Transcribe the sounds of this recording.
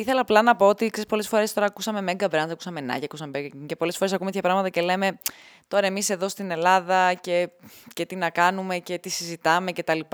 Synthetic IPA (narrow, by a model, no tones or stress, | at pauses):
iθe̞lɐːplɐnɐpo̞ot̪iksespo̞le̞sfoɾest̪o̞ɾɐːkusɐme̞meɡɐbɾɐnsɐku̥sɐmenɐ̰ʝiɐkusɐmebeŋcepo̞lesfo̞ɾesɐkumet̪çʰɐpɾɐɣmɐt̪ɐce̞leme̞ | t̪o̞ɾɐemise̞ðo̞st̪ine̞lɐðɐce̞ce̞t̪inɐkɐnume̞ce̞t̪isizit̪ɐme̞ce̞t̪ɐlipɐ